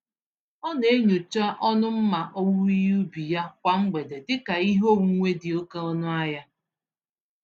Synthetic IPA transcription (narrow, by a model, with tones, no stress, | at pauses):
ɔ˦ne˨˦ɲo˨t͡ʃa˦ʔɔ˦nʊ˦m̩˦ma˨ʔo˦wu˦i˦ju˦bi˨ja˦kʷa˨ŋ͡m̩˦ɡ͡be˨de˨dɪ˦ka˨i˦ɦo˦˨wu˦ŋʷe˦dɪ˨o˦ke˦ɔ˦nʊ˦a˦ja˦